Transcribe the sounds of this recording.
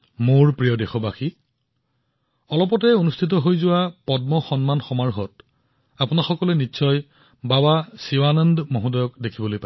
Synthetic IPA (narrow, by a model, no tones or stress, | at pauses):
moɹpɹijɔdexɔbaxi | ɔlɔpɔtɛonustʰit̬ɔɦojzʊwapɔdmɔxɔnmanxɔmaɹɦɔt | apunaxɔkɔlɛnitːsʰɔj | babasiwanəndmoɦũdɔjɔkdekʰibɔlojpa